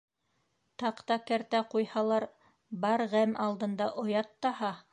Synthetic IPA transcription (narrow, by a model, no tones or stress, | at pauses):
t̪ɑqt̪ɑkæɾt̪æqujhɑlˠɑɾ | bɑɾʁæmɑlˠd̪ɤ̆nd̪ɑʔŏjɑt̪ːɑhɑ